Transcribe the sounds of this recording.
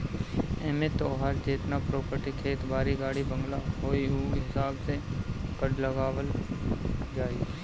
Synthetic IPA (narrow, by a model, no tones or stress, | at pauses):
ɛːmet̪oːɦaːɾd͡ʒeːt̪napɾoːpəɾʈikʰeːt̪baːɾiɡaːɽibɐ̃ŋɡlaɦoːiɦuɦɪsaːbsekəʈlɐɡaːʋəl | d͡ʒaːi